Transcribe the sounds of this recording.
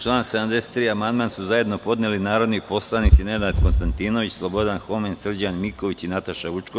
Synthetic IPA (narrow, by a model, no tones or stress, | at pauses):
t͡ʃlˠaːnse̞d̪amd̪eset̪ːɾiːamand̪maːnsuzaje̞d̪no̞po̞d̪nelinaːɾo̞d̪nipo̞slˠanit̪sinenat̪konst̪ant̪iːnoʋit͡ɕslˠo̞bo̞d̪anxo̞mensr̩d͡ʑanmiko̞ʋit͡ɕinat̪aʃaʋut͡ʃko